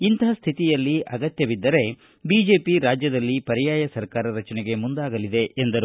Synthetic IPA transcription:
int̪ɐɦɐst̪ʰit̪ijɐlːiʔɐɡɐt̪jɐʋid̪ːɐɾe̞ | biːd͡ʒe̞ːpiɾaːd͡ʒjɐd̪ɐlːipɐɾijaːjɐsɐɾkaːɾɐɾɐt͡ʃɐnɛɡe̞mund̪aːɡɐlid̪e̞ʔend̪ɐɾu

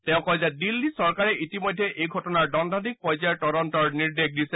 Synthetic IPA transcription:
tɛ̃ʊ̃kɔjzɛdilːisɔɹkaɹɛʔitimɔjdʱːɛʔejɡʱɔtɔnaɹdɔndʱɔnik̚pɔjzaɹtɔɹɔntɔɹniɹdek̚ʰdisɛ

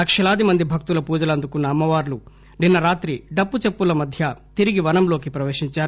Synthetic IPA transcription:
ɐkʂɐlaːd̪imɐnd̪ibʱɐk̚t̪ulɐpuːd͡ʒɐlɐnd̪ukunːɐːmːɐʋaːɾlu | ninːɐɾaːt̪ɾiɖɐpːut͡ʃepːulɐmɐd̪ʱjɐt̪iɾiɡiʋɐnɐmlo̞ːkipɾɐʋeːʂiɲt͡ʃaːɾ

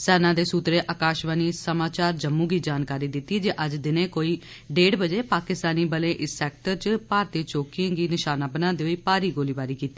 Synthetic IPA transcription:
sɛːnãːd̪eːsuːt̪ɾeːʔəkaːʃʋaːniːsəmaːt͡ʃaːɾd͡ʒəmːũːɡiːd͡ʒaːnkaːɾiːd̪ɪt̪ːiːd͡ʒeːʔəd͡ʒd̪ɪnẽːkoːiː | ɖeːɽbəd͡ʒeːpaːkɪst̪aːniːbəlẽːʔɪsːɛːk̚ʈəɾt͡ʃpaːɾt̪eːt͡ʃoːkɪãːɡiːnɪʃaːnãːbənãːd̪eːoiːpaːɾiːɡoːliːbaːɾiːkiːt̪ːiː

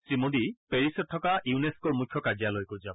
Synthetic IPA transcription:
sɹimodipeɹisɔt̚ʰːɔkaʔiuneskɔɹmukʰjɔkazijalojkoɹzabɔ

